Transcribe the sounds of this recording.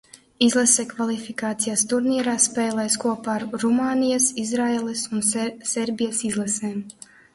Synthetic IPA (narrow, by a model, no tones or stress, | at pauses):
izlˠɛsekvalˠifikaːt̪sijast̪uɾniɛɾaːspɛːlˠɛjskuɔpaːɾɾumaːnijasizɾaeːlˠɛsunsɛɾbʲijasizlˠɛseːm